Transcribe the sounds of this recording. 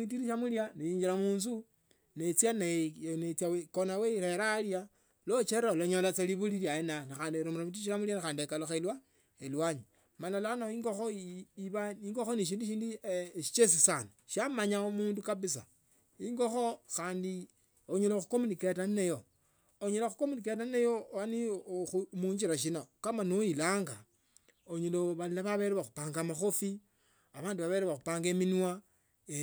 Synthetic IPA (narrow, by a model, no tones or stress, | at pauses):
it̬iɾiʃamuljaneiːɲd͡ʒiɾamuːns̬u | net͡sjanenet͡sjawekonaweiɾeɾalja | lot͡ʃeɾaoloɲolat͡saliβuliliajenanaxaːndieɾomuɾamit̬iiʃ̬iɾamuljanaxaːndiekaloxelwa | elwaɲi | malalanaiŋɡoxoiβaiŋɡoxoniʃ̬iːndiʃ̬iːndiʃi̥t͡ʃesisanoʃamaɲaomuːndukaβis̬a̰ | iŋɡoxoxaːndi | oɲeloxukomuniketaninejo | oɲeloxukominiket̬ainajowanixumuːɲd͡ʒiɾaʃ̬inokamanojilaːŋɡa | oɲeloβalaβaβeɾeβaxupaːŋɡamaxofi | aβaːnduβaβeɾeβaxupaːŋɡeminwa